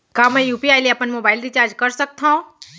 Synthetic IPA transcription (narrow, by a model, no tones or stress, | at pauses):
kaːmɛ̃juːpiaːɪliɐpənmoːbaːɪlɾit͡ʃaːɾd͡ʒkɐɾsɐk̚t̪aɦõ